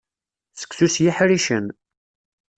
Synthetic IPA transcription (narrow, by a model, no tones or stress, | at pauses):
sə̥ksusjiħɾiʃən